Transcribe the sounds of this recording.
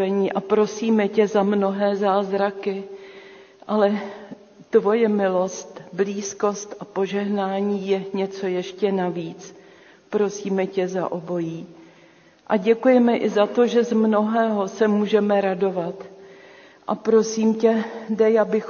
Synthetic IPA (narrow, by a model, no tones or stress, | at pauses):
ɛɲiːʔapɾo̞siːmɛcɛzamno̞ɦɛːzaːzɾakɪ | ʔalɛ | t̪vo̞jɛmɪlo̞st̪bliːsko̞st̪ʔapo̞ʒɛɦnaːɲiːjɛɲɛt͡so̞jɛʃcɛnaviːt͡s | pɾo̞siːmɛcɛza̰ʔobo̞jiː | ʔaɟɛkujɛmɛʔɪzat̪o̞ʒɛzmno̞ɦɛːɦo̞sɛmuːʒɛmɛɾado̞vat̪ | ʔapɾo̞siːmcɛdɛjabɪx